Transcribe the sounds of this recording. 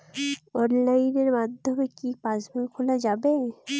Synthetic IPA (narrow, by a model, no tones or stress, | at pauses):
ɔnlaineɾmad̪ʱomekipasbekʰolad͡ʑabe